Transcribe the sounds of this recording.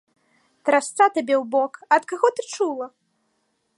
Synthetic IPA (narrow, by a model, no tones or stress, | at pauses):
t̪ɾast̪sat̪abʲɛwbɔkɐt̪kaɣɔt̪ɨt͡ʂulˠɐ